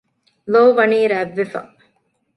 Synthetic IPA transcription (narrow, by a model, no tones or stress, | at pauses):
loːʋɐniːɾæʋːefɐ̰